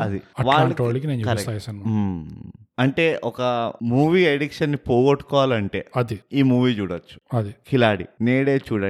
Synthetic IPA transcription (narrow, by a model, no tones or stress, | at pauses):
ɐd̪iɐʋaːaɭːɳʈʋaɽikineːnt͡ʃukɐɾɐst̪aːjsɐnm | ɐɳʈe̞ːʔɔkɐmuːʋiːeɽikʂɐnːipoːɡoʈːu̥kɔːʋaːlɐɳʈe̞̰ːɐd̪iiːmuːʋiːt͡ʃuːɽɐt͡ʃːu̥ɐd̪ikʰilaːɽḭneːɽe̞ːt͡ʃuːɽɐ